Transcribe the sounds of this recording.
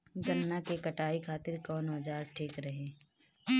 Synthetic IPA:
d͡ʒɐnːakekɐʈaːikʰaːt̪ɪɾkɔːnɦɐd͡ʒaːɾʈʰeːkɾɐɦẽː

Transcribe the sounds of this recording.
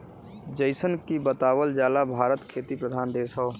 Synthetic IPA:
d͡ʒəɪsənkibət̪aːwəld͡ʒaːlabʱaːɾət̪kʰeːt̪ipɾəd̪ʱaːnd̪eːsɦə

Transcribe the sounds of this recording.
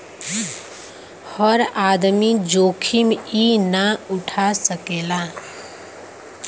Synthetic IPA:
hɔɾaːd̪mid͡ʒoːkʰiminaʊʈʰasəkeːla

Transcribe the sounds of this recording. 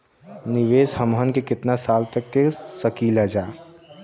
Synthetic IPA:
nɪʋeːshəmɦənkekɪt̪nasaːlt̪ɐkːesɐkiːlad͡ʒaː

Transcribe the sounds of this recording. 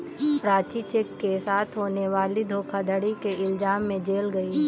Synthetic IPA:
pɾaːt͡ʃit͡ʃeːkːesaːt̪ʰɦoːneʋaːlid̪ʱoːkʰad̪ʱəɽikeɪlzaːmːẽd͡ʒeːlɡɐi

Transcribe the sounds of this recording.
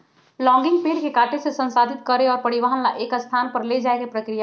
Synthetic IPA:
lɔ̃ŋɡiŋɡ̚peɽkekaʈʰesẽsənsad̪ʱit̪kəɾeɔːɾpəɽiʋaɦənlaʔekəst̪ʰanpəɾled͡ʒaekepɾəkɾija

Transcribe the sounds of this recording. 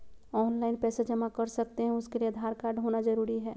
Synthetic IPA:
ɔːnlaːɪnpɛːsed͡ʒɐmakɐɾsɐk̚t̪eɦɛ̃ʊskelied̪ʱaːɾkaːɾɖɦonad͡ʒɐɾuːɾiɦɛː

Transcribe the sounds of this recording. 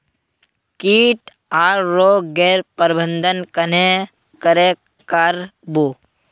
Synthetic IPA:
kiːʈ | aːɾɾoːɡeːɾpəɾbə̃nd̪ʱənkəne | kəɾe | kaɾbu

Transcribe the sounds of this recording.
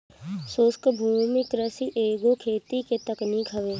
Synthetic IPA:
soːskəbʱuːmɪkɾəsiʔeːɡokʰeːt̪iket̪əknikʰɐʋeː

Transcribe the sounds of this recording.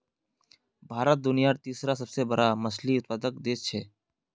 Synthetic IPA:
bʱaːɾət̪̚d̪ʊnijaɾt̪iːsɾasəbsebəɾaməsliʊt̪̚pəd̪ək̚d̪eːt͡ʃʰɛː

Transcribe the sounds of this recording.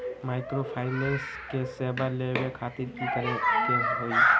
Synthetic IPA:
majkɾopʰajnenskesebʱaɾlebekʰat̪iɾkik̪əɾeteɦoj

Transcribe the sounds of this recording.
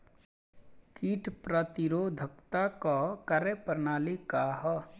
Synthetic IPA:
kiʈʰpɾət̪iɾod̪ʱəkt̪akɔkəɾepəɾnaːlikaɦɔ

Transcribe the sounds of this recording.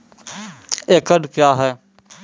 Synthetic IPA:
eːkəɖkjaːɦɛː

